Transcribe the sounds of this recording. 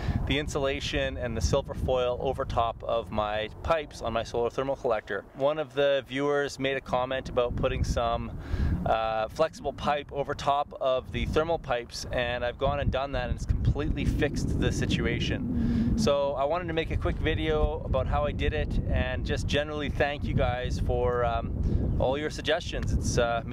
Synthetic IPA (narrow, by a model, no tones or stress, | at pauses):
ðiɪ̃nsəleɪʃɨ̃nɨ̃nðɨsɪlˠvə˞fɔɪl̩ˠo̰ʊvə˞tʰɑpʌvmaɪpʰaɪpsn̩maɪsoʊlˠə˞θɜ˞ml̩ˠkʰəlɛk̚tə˞wʌ̃nʌvðɨvjʉə˞zmeɪɾɨkʰɑmɛ̃ntəbaʊt̚pʰʊɾɪ̃ŋsʌ̃m | flɛksəbl̩ˠpʰaɪpoʊvə˞tʰɑpʌvðɨθɜ˞ml̩ˠpʰaɪpsɨ̃naɪvɡɔ̃nɨ̃ndʌ̃nðɨɾɨ̃nɨtskʰm̩pʰl̥itˡlifɪksðɨsɪt͡ʃʉeɪʃɨ̃nsoʊaɪwɑ̃ɾ̃tɨd̚tʰɨmeɪkɨkʰw̥ɪkvɪɾioʊəbaʊt̚ɦaʊaɪdɨɾɪɾɨ̃nd͡ʒʌsd̥ʒ̥ɛnə˞l̩ˠiθæ̃ŋkjɨɡaɪz̥fə˞ | ʔɔ̰lˠjə˞sɨɡ̚d͡ʒɛst͡ʃɨ̃nzɨts